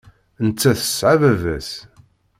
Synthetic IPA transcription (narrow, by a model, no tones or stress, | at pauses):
nət͡sːæθə̥sʕavævæs